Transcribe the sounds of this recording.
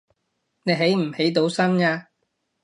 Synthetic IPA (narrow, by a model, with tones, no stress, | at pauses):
ne˨˧jɦe˨˥jm̩˨˩he˨˥jt̪o˨˥wsɐ˥naː˧